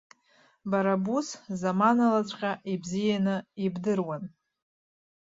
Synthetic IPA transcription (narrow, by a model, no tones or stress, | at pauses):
baɾabuszamanalat͡ɕʷʼqʲʼaʔibzijanɨibdɨrwan